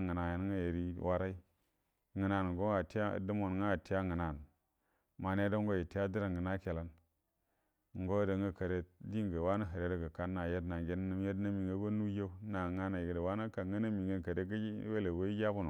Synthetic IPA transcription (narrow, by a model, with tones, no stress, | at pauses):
ŋə˨na˨je˨n˦ŋa˦je˨ɾi˦wʔa˦ɾa˦i˦ | ŋə˨na˨n˨ŋ˨o˦a˨ti˦a̰˦˨də˦mo˨n˨ŋa˦˨ti˦ja˦ŋə˨na˨n | ma˨ne˦do˦ŋɡo˦je˨ti˦ja˦di˦ɾa˨ŋɡə˨na˦ke˨la˦n | ŋ˦ɡo˦da˨ŋɡə˦kə˨ɾe˨di˦ɡə˨wa˦na˦ɦə˨ɾe˨˦da˦ɡə˨ka˦nːa˨je˦dna˨ɡʲe˦n˦n˦je˦dna˦mi˨ŋɡə˦ɡo˦nu˦je˦na˨ŋa˦na˨jɡə˨də˨wa˦na˦ka˨ŋɡə˦na˦mi˨ŋə˦kə˨ɾe˦ɡə˦we˦le˨we˦i˦ja˦bu˦˨nu˨